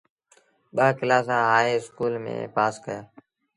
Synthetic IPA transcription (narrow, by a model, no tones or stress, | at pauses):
ɓaːkɪlaːs̬ãːɦaːeːskuːlmḛ̃ːpaːskəjaː